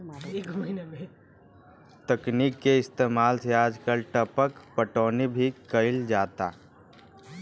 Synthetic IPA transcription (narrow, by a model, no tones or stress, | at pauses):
ɡ | t̪əkniːkːeɪst̪eːmaːlsejaːd͡ʒkəɾʈəpəkpəʈoːnebʱikəɪld͡ʒaːt̪a̰ː